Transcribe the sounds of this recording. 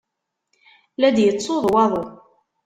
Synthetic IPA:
læd̪jət͡sːoðˤwɑðˤə

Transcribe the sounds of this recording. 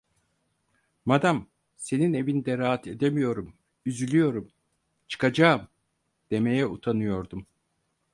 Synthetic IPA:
mad̪am | se̞nine̞vinid̪ɛɾaːat̪ʰe̞d̪emijo̞ɾum | yzylʲyjo̞ɾum | t͡ʃʰɯ̥kad͡ʒaːɯm | d̪̥e̞me̞jɛut̪ʰanɯjo̞ɾd̪um

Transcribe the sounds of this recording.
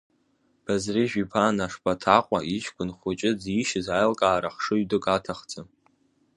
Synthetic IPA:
b̥azriʒᶣipʰaːnaʂpʰʼatʰaqʷʼaʔiʃkʷʰʼʊnχʷʊt͡ʃʼɪd͡ziʃɪzajlkʼaːɾaχʂɨɥdɨkʼatʰaχt͡sʼɨ

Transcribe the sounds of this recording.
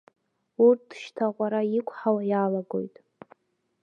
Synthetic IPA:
urt̚ʰdʃtʰaʁʷʼaɾaikʷʰʼħawajalaɡo̰jtʼ

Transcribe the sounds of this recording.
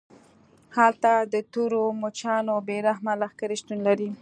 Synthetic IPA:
halt̪ad̪ət̪oɾomot͡ʃɑnobeɾaɦmalaxkaɾiʃt̪unlaɾi

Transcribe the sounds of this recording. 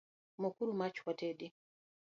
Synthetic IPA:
mɔkuɾumat͡ʃwateːdi

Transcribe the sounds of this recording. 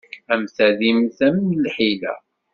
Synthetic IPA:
æmθæðimθæmnlħilæ̰

